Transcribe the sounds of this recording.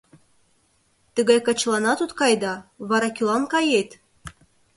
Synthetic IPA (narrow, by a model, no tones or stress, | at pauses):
t̪əɡɑjkɑt͡ɕlˠɑnɑt̪ut̪kɑjd̪ɑβɑɾɑkʲylˠɑnkɑjet̪ʲ